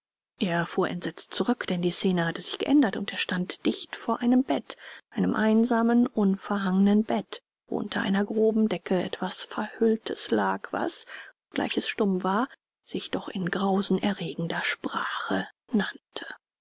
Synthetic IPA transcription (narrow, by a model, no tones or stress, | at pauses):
ʔeːɐfuːɐʔɛ̰ntz̥ɛt͡stt͡suʁʏkd̥ɛndiːst͡seːnəhatəzɪçɡ̥ə̰ʔɛndɐtʊnteːɐʃtantd̥ɪçtfoːɐʔaɪnəmbɛtʔaɪnəmʔaɪnzaːmənʔʊnfɛɐɦaŋənənbɛt | vo̰ʔʊ̰ntʰɐ̰ʔa̰ɪnɐɡʁoːbm̩dɛkʰəʔɛ̰tv̥asfɛɐhʏltʰəslaːkv̥a̰sɔp̚ɡ̥lʔa̰ɪçɛsʃtʊmvaːɐ | z̥ɪçd̥ɔχɪnɡʁaʊzn̩ʔɛɐʁeːɡŋ̩dɐʃpʁ̥aːχə | nantʰə̥